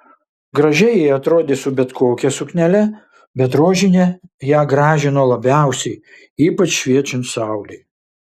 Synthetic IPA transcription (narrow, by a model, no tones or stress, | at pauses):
ɡɾɐʒʲɛjɛɪɐt̪ɾoːd̪ʲeːsʊbʲɛt̪koːkʲɛsʊknʲɛlʲɛ | bʲɛt̪ɾoːʒʲɪnʲɛjæːɡɾɑːʒʲɪnoːlˠɐbʲæˑʊsʲɛɪ | iːpɐt͡ʃʃʲʋʲiɛt͡ʃʲʊnt̪sɑˑʊlʲɛɪ